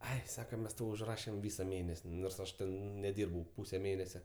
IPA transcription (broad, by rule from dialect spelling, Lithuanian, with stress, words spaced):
ˈɐɪ ˈsɑːkɐ ˈmʲɛs ˈtɐʊ ʊʒˈrɑːʃʲɛm ˈʋʲiːsɐ ˈmʲeːnʲɛsʲ noːrs ˈɐʃ ˈtʲɛn nʲɛˈdʲiːrbɐʊ ˈpuːsʲɛ ˈmʲeːnʲɛsʲɛ